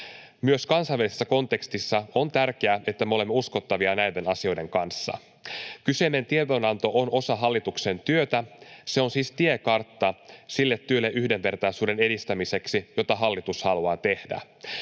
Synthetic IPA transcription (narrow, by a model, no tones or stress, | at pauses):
myøskɑnsɑʋːælisesːæko̞nt̪e̞kst̪isːɑo̞nt̪ærk̟eæe̞t̪ːæmeo̞le̞mːeusko̞t̪ːɑʋiɑnæjde̞nɑsio̞jde̞ŋkɑnsːɑ̰ | kyse̞ne̞nt̪iet̪onɑnt̪o̞ʔono̞sɑɦɑlːit̪ukse̞nt̪yøt̪æse̞onsiːst̪ie̞kɑrt̪ːɑsilːe̞t̪ːyølːeʔyhde̞mpe̞rt̪ɑjsuːde̞ne̞dist̪æmise̞ksijo̞t̪ɑɦɑlːit̪ushɑluɑːt̪e̞hdæ̰